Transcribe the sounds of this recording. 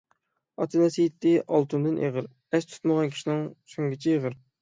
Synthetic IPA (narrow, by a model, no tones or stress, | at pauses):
ɑt̪ʰɨnɛsijt̪ːɪʔɑlˠt̪ʰund̪ɨnʔḛʁəɾ | ɛʃt̪ʰu̥t̪məʁɑnkʲʰi̥ʃinɪŋsoŋɡʲɪt͡ʃʰɛeʁəɾ